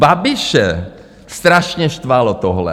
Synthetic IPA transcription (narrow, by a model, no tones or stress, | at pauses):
babɪʃɛ | st̪ɾaʃɲɛʃt̪valot̪oɦlɛ̰